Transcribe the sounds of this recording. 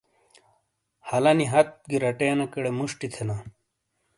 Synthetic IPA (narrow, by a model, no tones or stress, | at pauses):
hɐlɐniɦɐt̪̚ɡiɾɐʈeːnɐkɐɽemuʂʈit̪ʰena